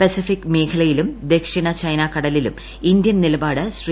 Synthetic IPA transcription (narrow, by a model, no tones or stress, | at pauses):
pesifikːme̞ːkʰɐlɐjilumd̪e̞kʂiɳɐt͡ɕɐjnɐkɐɽɐlilṵm | ind̪jɐnnilɐbaːɽɨsr